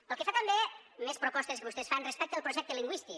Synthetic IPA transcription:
əlˠkəfat̪əmbemespɾopɔst̪əskəβust̪ɛsfanrespɛk̚t̪əlˠpɾuʒɛk̚t̪əliŋɡwist̪i

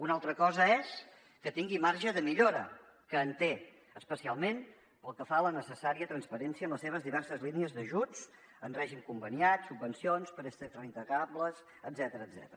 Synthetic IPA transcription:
unalˠt̪ɾəkɔzəɛs | kət̪iŋɡimaɾʒəðəmiʎoɾə̰ | kəːnt̪e | əspəsialˠmen | pəlˠkəfalənəsəsaɾiət̪ɾənspəɾɛnsiənləseβ̞əzðiβɛɾsəzliniəzðəʒud͡z | ənrɛʒimkumbəniat̪subːənsionspəɾəst̪ɛt̪ɾəint̪əɣabləs | əd̪zɛt̪əɾəːd̪zɛ̰t̪əɾə

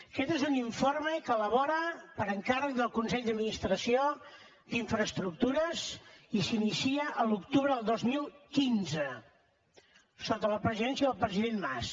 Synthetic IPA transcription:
əkɛt̪ezuniɱforməkələβ̞ɔɾəpəɾəŋkarək̚d̪əlˠkunsɛʎd̪əd̪minist̪ɾəsio | d̪iɱfɾəst̪ɾuk̚t̪uɾəzisinisiəʔəlukt̪uβɾəðəlˠd̪ozmilˠkinzə | sot̪ələpɾəziðɛnsiəðəlˠpɾəziðenma̰s

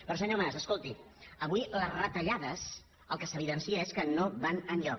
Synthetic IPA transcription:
pɾɔsəɲomasəskolˠt̪i | əβuiləzrət̪əʎaðəz | əlˠkəsəβ̞iðənsiəeskənoβanənʎɔk

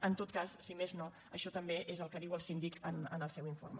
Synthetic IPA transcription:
ənt̪ot̪̚kasːimezno | əʃɔt̪əmbeʔezəlˠkəðiwəlˠsind̪ikənənəlˠsɛwiɱfo̰rmə

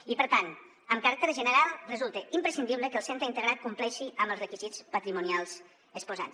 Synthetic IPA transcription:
ipəɾt̪an | əmkaɾak̚t̪eɾʒənəɾalˠrəzulˠt̪əʔimpɾəsind̪iβləkəlˠsent̪ɾəint̪əɣɾat̪̚kumplɛʃiəmbəlzrəkizit͡spət̪ɾimunialˠz | əspuza̰ns

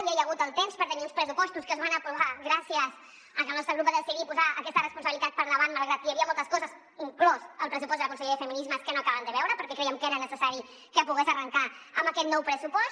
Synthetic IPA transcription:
βjiajəɣ̞ut̪əlˠt̪emspəɾt̪əniunspɾəsupɔst̪uskəzβanəpɾuβaɣɾasiəz | əkəlnɔst̪ɾəɣɾupəðəsiɾipuzaəkɛst̪ərəspunsəβilit̪at̪̚pəɾnəβanməlˠɣɾat̪ijəβiəmolˠt̪əskɔzəs | plɔzəlˠpɾəs̬upɔst̪d̪ələkunsəʎeðəfəminizməskənoəkaβənd̪əβɛwɾəpəɾkɛkɾɛjəmkəeɾənəsəsaɾi | kəpuɣezərəŋkaəmbəkɛt̪nɔwpɾəsupɔs

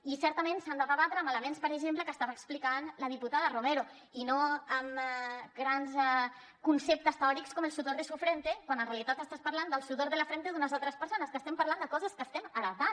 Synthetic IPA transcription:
isɛɾt̪əmensand̪əβəβat̪ɾəːmələmenspəɾeʒempləkəst̪aβaːksplikanləð̞iput̪aðərumeɾo | inoəmɡɾanzɛ | kunsep̚t̪əst̪eɔɾikskɔmelˠsut̪oɾðesufɾent̪ekwanənrealit̪at̪əst̪aspəɾland̪əlˠsut̪oɾðeləfɾent̪eðunəzalˠt̪ɾəspəɾsonəskəst̪ɛmpəɾland̪əkɔzəskəst̪ɛməɾət̪a

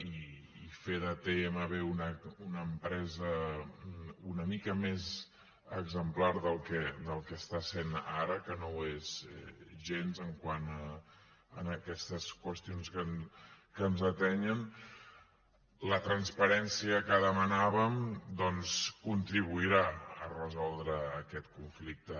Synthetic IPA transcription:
i | ifeðət̪eɛməβeunəunəːmpɾɛzə | unəmikəmez | əɡzəmplaɾðəlˠkɛd̪əlˠkɛːst̪asenaɾəkənoezɛ̰ʒenzəŋkwanə | ənəkɛst̪əskwəst̪ionskənkənzət̪ɛɲən | lət̪ɾənspəɾɛnsiəkəðəmənaβəmd̪ɔnskunt̪ɾiβ̞uiɾaə̰rəzɔlˠd̪ɾəːkɛt̪kuɱflik̚t̪ə

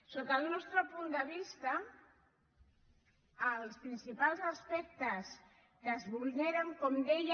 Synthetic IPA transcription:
sokaðunɔst̪ɾopund̪əβ̞ist̪a | lspɾinsipalzaspɛk̚t̪əz | k̪əzβulneɾaŋkomd̪eʎ

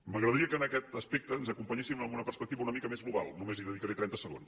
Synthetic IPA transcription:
məɣɾəðəɾiəkənəkɛt̪əspek̚t̪əːnzəkumpəɲesiməmbunəpəɾspək̚t̪iβəunəmikəmezɣluβa̰lˠnumeziðəðikəɾet̪ɾɛnt̪əsəɣ̞ons

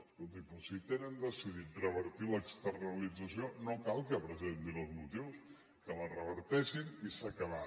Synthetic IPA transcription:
kot̪ipusit̪enənd̪əsiðit̪rəβəɾt̪iləkst̪ərnəlid͡zəs̬ionokalˠkəpɾəzend̪inəlˠzmut̪iws | kələrəβəɾt̪ɛʃinisəkəβa

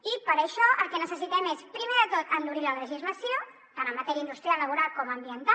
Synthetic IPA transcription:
ipəɾəʃɔʔəlˠkɛnəsəs̬it̪ɛmespɾimeðət̪ot̪ənd̪uɾilələʒizləsio | t̪anəmːət̪ɛɾiəind̪ust̪ɾialːəβuɾalˠkɔməmbiənt̪a

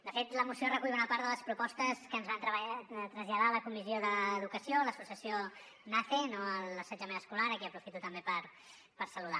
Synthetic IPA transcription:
d̪əfet̪ləmusiorəkuʎunəpaɾðələspɾupɔst̪əskəːnzβant̪ɾəβt̪ɾəzʎəðaləkumizioðəːðukəsioləsusiəsio | nafenoəlˠəsəd͡ʒəmenəskulaɾəkiəpɾufit̪ut̪əmbepəɾ | pəɾsəluða

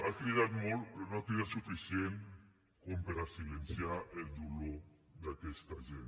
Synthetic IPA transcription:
akɾiðat̪molnoakɾiðat̪sufisjen | kompeɾasilensjaeld̪ulo | d̪akɛst̪aʒen

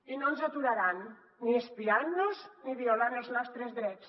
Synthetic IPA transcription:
inonzat̪uɾaɾanː | iespianːuzniβiolanelˠznɔst̪ɾezðɾɛs

